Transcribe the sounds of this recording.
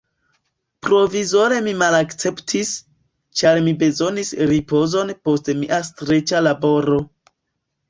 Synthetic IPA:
pɾo̞vizo̞ɾe̞mimalakt͡se̞ptʰis | t͡ʃaɾmibe̞zo̞nisɾipo̞zo̞npo̞stmiʔastɾe̞t͡ʃalabo̞ɾo̞

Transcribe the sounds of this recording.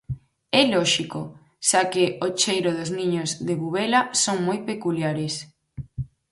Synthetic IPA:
ɛlɔʃiko | sakeot͡ʃejɾoðozniɲozðeβuβɛlasoŋmojpekuljaɾes

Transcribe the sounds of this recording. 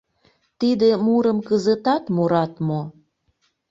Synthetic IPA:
t̪id̪emuɾəmkəzət̪ɑt̪moɾɑt̪mo

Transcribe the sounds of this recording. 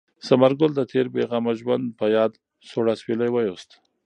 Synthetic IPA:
samaɾɡʊld̪ət̪ʰeɾbeɣamaʒwand̪̚pəjɑd̪ | soɽaswelajwajost̪

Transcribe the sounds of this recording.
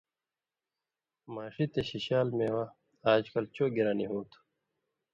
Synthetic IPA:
maːʂit̪eɕiɕaːlmeːwa | aːd͡ʑkɐlt͡ɕoːɡiɾaːniɦoːt̪ʰu̥

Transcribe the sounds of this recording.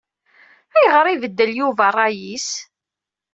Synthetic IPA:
æjəʁəɾˤivəd̪ːəljuvərˤːɑjis

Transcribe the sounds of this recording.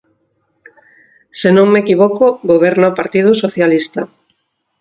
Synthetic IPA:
senõŋmekiβokoɣoβ̞eɾnaopaɾt̪ið̞ʊsoθjalist̪a

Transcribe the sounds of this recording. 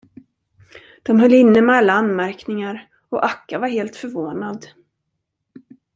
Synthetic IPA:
d̪̥ɔmɦœlːɪnːəmɛalːaanːmæɾknɪŋaɾ | ɔʔakːavaɾɦeːlt̪fœɾvoːnad̪

